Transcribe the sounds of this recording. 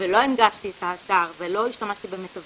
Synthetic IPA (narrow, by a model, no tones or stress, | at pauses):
velo̞enɡaʃt̪iet̪haːt̪aʁvelo̞iʃtamaʃt̪ibemet̪av